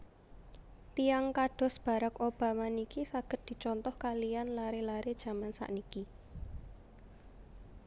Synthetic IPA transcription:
t̪ijaŋkaɖ̥ɔ̤sb̥a̤ɾəkob̥a̤manikisaɡ̥ə̤t̪̚d̪̥i̤t͡ʃɔnt̪ɔhkalijanlaɾelaɾed̥ʒ̥a̤mansa̰ʔniki

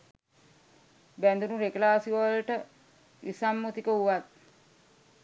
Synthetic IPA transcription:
bænd̪unuɾeklaːsiʋəlʈə | ʋʔisamːut̪ikəuʋat̪̚

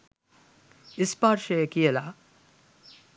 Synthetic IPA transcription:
ɪspaːɾʃeekijelaː

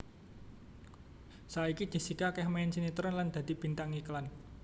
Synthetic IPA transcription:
saikid͡ʒ̥i̤sikakɛhmaɪnsinit̪əɾɔnland̪̥ä̤d̪̥i̤b̥i̤nt̪aŋiklan

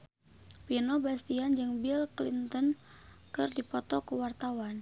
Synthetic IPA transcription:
pinɔbast̪iand͡ʒɨŋbilklint̪ən | kɨrdipɔt̪ɔkəwart̪awan

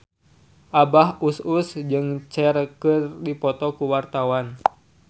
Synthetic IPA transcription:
ʔabahususd͡ʒɨŋt͡ʃɛɾkɨrdipɔt̪ɔkuwart̪awan

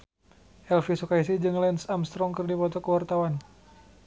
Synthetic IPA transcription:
ʔɛlfisukaisid͡ʒɨŋlɛnsamst̪ɾɔŋkɨrdipɔt̪ɔkəwart̪awan

